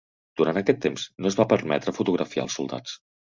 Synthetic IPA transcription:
d̪̥uɾant̪əkɛt̪ːemsnoəzβapəɾmɛ̰t̪ɾəfut̪uɣɾəfia̰əlˠsulˠd̪a̰t͡s

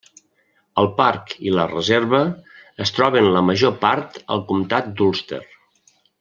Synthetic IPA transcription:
əlˠpaɾkilərəzeɾβəːst̪ɾɔβənləməʒopaɾt̪ə̰lˠkumt̪at̪̚d̪ulˠst̪ḛr

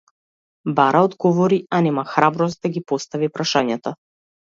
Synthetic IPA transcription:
baɾaɔd̪ɡɔvɔɾianɛmaxɾabɾɔst̪̚d̪aɡipɔst̪avipɾaʃaɲat̪a

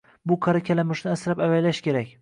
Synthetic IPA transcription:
bʊqʰɑɾakʲʰalamɪʃnɪasɾapavajlaʃkʲe̞ɾakʲ

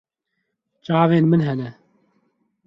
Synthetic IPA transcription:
t͡ʃaːveːnmɨnɦɛnɛ

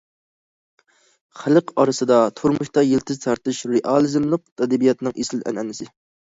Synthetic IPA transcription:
χælɨqɑɾɨsɨd̪ɑt̪ʰuɾmuʃt̪ɑjelt̪ʰɪzt̪ʰɑɾt̪ɨʃɾeʔɑlˠɨzɪmlˠɨq̚t̪ʰɛd̪ɪbijɑt̪nɨŋʔeslɪlɛ̰nɛ̰nɪsɪ

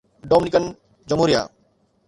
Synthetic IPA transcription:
ɖɔminikɐn | d͡ʒɔmoɾija̰

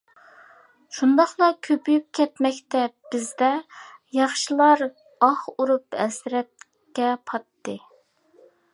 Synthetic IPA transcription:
ʃund̪ɑχlˠɑkʲʰøpʰyjyp̚kʲʰɛt̪mɛkʲt̪ɛb̥ɪzd̪ɛjɑχʃɨlˠɑɾ | ɑχuɾupɛ̰sɾɛt̪̚ | kʲɛpʰɑt̪ːɨ

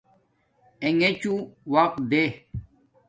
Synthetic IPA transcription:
eŋet͡ɕuwaq̪̚d̪e

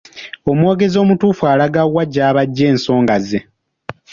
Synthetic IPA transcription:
o̞mwo̞ːɡe̞zo̞ːmutuːfuaːlaɡawːaɟːaːβaɟːe̞ːnso̞ːŋɡaze

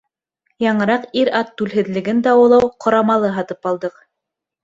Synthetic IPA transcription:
jɑɴɤ̆ɾɑqiɾɑt̪ːʉlɦɘ̆ðlɘ̆ɡɘnd̪æwɤ̆lˠɑwqʰŏɾɑmɑlˠɤɦɑt̪ɤpɑlˠd̪ɤq

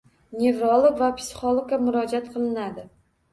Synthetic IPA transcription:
nʲe̞vɾolˠoɡvapʰʲsɪ̥χolˠoɡ̚kːamʊɾɒd͡ʒat̪̚qʰɨlˠɪnad̪ɪ

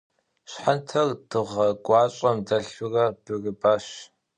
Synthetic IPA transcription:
ɕħantʰɐrd̥ɨʁɐɡʷɑːɕʼɐmdɐɬʊrɐb̥ɨrɨbaːɕ

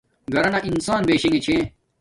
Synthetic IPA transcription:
ɡɐɾɐnɐʔinsaːnbeːɕẽŋɡet͡ɕʰẽ

